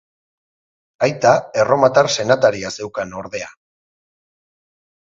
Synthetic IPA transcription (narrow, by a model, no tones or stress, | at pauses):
ajt̪ae̞ro̞mat̪aɾse̞nat̪aɾiase̞wkano̞ɾð̞e̞a